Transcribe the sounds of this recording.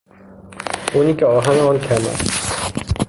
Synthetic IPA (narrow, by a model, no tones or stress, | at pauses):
unikɛɔɦanɔnkʰɛma̰